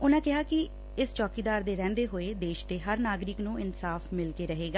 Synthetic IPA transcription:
ʊnãːkɪɦaːkɪ | ɪst͡ʃɔːkiːd̪aːɾd̪eːɾɛ̃ːnd̪eːɦoːeːd̪eːʃd̪eːɦəɾnaːɡɾɪknũːɪnsaːfmɪlkeːɾəɦeːɡaː

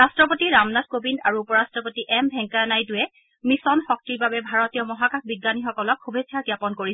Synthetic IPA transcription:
ɹastɹɔpotiɹamnatkobindaɹuupɔɹastɹɔpotiʔɛmbʱɛŋkanajdʊjɛ | misɔnxɔk̚tiɹbabɛbʱaɹɔtijɔmɔɦakaxbiɡːanixɔkɔlɔkxubʱesʰjaɹkjapɔnkoɹiɛ

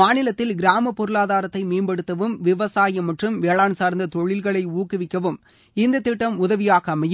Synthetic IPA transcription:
aːnɪlɐt̪ːɪlɡɪɾaːmɐpːɔɾɯɭaːðaːɾɐt̪ːɐɪmeːmbɐɽɯt̪ːɐʋɯmʋɪʋɐsaːjɐmɐʈrɯmʋeːɭaːnsaːɾnd̪ɐt̪ɔɭɪlɣɐɭɐɪuːkːɪʋɪkːɐʋɯm | ɪnd̪ɐt̪ːɪʈːɐmʊðɐʋɪjaːɣɐmɐj

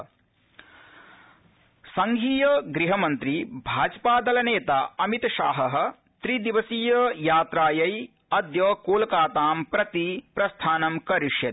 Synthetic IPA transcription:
sɐŋɡʱiːjɐɡɾiɦɐmɐnt̪ɾibʱaːd͡ʒpaːd̪ɐlɐneːt̪aːɐmit̪ɐʃa̰ːɦɐɦɐ̆ | t̪ɾid̪iʋɐsiːjɐjaːt̪ɾaːjɐj | ɐd̪jɐːkoːlɐkaːt̪aːmpɾɐt̪ipɾɐst̪ʰaːnɐmkɐɾiʂjɐt̪i̥

